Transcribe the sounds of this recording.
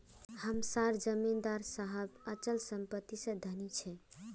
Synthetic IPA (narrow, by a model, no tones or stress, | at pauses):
həmsaɾd͡ʒəmːind̪aɾsaɦəbət͡ʃəlsəmpət̪ːisə̃d̪ʱənit͡ʃʰɛ